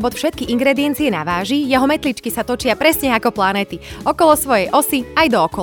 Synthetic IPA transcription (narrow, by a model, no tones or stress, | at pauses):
bɔt̪fʃɛt̪̚kiʔiŋɡɾɛd̪iɛnt͡siɛna̰ʋaːʒijɛɦɔmɛt̪lit͡ʃkisat̪ɔt͡ʃɪapɾɛsɲɛakɔplanɛːt̪iɔkɔlɔsʋɔjɛjʔɔsiajd̪ɔːkɔ